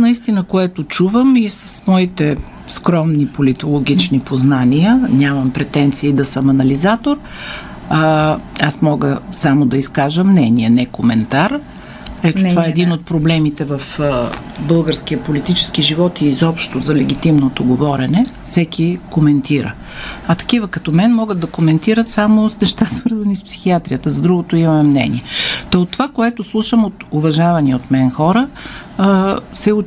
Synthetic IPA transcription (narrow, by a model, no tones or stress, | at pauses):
nɐist̪inəkoɛt̪ot͡ʃuvəmisə̥smɔit̪ɛ | skɾɔmnipolit̪olˠoɡ̟it͡ʃnipoznaniənʲamɐmpɾɛt̪ɛnt̪siːd̪ɐsəmɐnɐlizat̪oɾ | asmɔɡəsamod̪ɐiskaʒəmnɛniɛnɛkomɛnt̪aɾ | ɛt̪ot̪vaɛɛːd̪inot̪̚pɾoblɛmit̪ɛvɐf | bɤlˠɡəɾsk̟ijəpolit̪it͡ʃɛ̥sk̟iʒivɔt̪iːzɔpʃt̪ozɐlɛɡ̟ʲit̪imnot̪oɡovɔɾɛnɛfsɛkʲikomɛnt̪iɾə̰ | ɐt̪ɐ̥kivəkɐt̪ɔmɛnmɔɡəd̪̚ɐkomɛnt̪iɾət̪samosnɛʃt̪asvɤɾzɐnispsi̥xiat̪ɾijət̪əzɐd̪ɾuɡot̪oimɐmɛmnɛ̰nḭɛt̪ɐot̪ːovakoɛt̪oslˠuʃəmot̪ʊvɐʒavɐniot̪mɛnxɔɾə | sɛʊ